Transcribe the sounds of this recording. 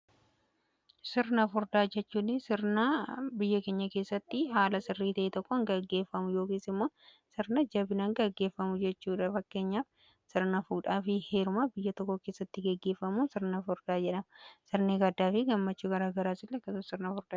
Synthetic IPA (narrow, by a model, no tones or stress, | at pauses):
sɪɾnɐfʊɾd̪aːd͡ʒɛt͡ʃːuːnɪsɪɾnɐbɪjːɐke̞ːɲːɐke̞ːsːɐt̪ːɪɦaːlɐsɪrːiːt̪ɐʔet̪ɔkːɔɐŋɡɐɡːe̞ːfːɐmʊjo̞ːkiːsɪmːo̞ː | sɪɾnɐd͡ʒɐbɪnɐŋɡɐɡːe̞ːfːɐmʊd͡ʒɛt͡ʃːuːᶑɐfɐkːe̞ːɲːaːf | sɪɾnɐfuːᶑaːfɪhe̞ːɾʊmabɪjːɐt̪ɔkːɔke̞ːsːɐt̪ːɪɡɛɡːeːfːɐmunsɪɾnɐfʊɾd̪̥aːd͡ʒɛᶑɐmɐsɪɾneɡɐd̪ːaːfɪɡɐmːɐt͡ʃːuːɡɐɾaːɡɐɾaːsɪlːɛkːɐsʊsɪɾnɐfʊɾd̪aː